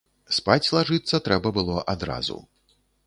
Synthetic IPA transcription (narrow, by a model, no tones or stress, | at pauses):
spat͡sʲlˠaʐɨt̪sːɐt̪ɾɛbɐbɨlˠɔʔad̪ɾa̰zṵ